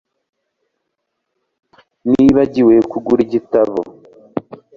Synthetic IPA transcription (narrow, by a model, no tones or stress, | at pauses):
niβaɟiwe̞kuɡuɾiɟitaβo̰